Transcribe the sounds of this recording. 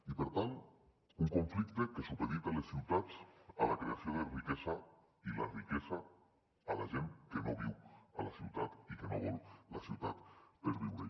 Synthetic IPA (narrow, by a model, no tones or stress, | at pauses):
ipəɾt̪an | uŋkuɱflikt̪ekesupeðit̪alesːiwt̪at͡salakɾeasioðerikɛza | ila̰rikɛzaː | laʒeŋkenoβiwalasiwt̪at̪ikenoβɔlˠlasiwt̪a̰t̪peɾβiwɾe